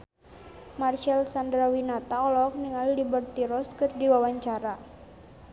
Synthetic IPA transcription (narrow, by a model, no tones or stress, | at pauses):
marʃalsandɾawinat̪aɔlɔk̚niŋalilibərt̪iɾɔskɨrdiwawaɲt͡ʃaɾa